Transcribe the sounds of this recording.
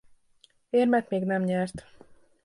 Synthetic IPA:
eːrmɛt̪meːɡnɛmɲɛrt̪

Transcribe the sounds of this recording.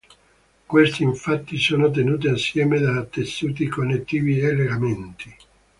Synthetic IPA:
kwest̪iiɱfat̪ːisoːnot̪̬enuːt̪̬iasːjɛːmed̪aːt̪ːesːuːt̪̬ikonːet̪ːiːvielːeɡament̪i

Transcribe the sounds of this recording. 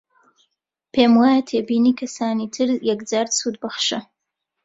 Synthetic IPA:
pʰemwatʰebinikʰasaːnitʰɨrjaɡd͡zarsudbaχʂa

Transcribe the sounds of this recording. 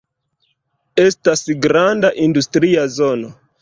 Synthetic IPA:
e̞stasɡɾandaʔindustɾiazo̞no̞

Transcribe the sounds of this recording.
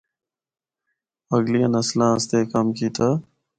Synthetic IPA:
əɡlijãnəslãːəst̪eːkəmkiːt̪ʰa

